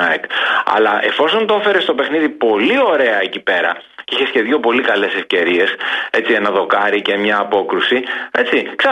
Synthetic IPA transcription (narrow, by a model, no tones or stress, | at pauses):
ɐekɐ̰lɐʔe̞fo̞so̞nt̪oefe̞ɾe̞st̪ope̞xniðipo̞lio̞ɾe̞ɐecipe̞ɾɐ̰ | içe̞sce̞ðʝopo̞likɐle̞se̞fce̞ɾie̞se̞t͡sie̞nɐðo̞kɐɾice̞mɲɐːpo̞kɾusie̞t͡siksɐ